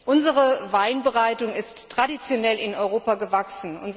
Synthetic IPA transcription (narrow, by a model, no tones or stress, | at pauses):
ʔʊnzəʁəvaɪnbəʁaɪtʊŋɪstːʁ̥adit͡sjonɛlɪnɔʏʁoːpaɡəvaksn̩ʔʊ̰nz